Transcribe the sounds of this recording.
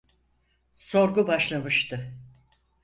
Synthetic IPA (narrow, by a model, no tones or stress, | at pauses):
so̞ɾɡubaʃlˠamɯʃt̪ʰɯ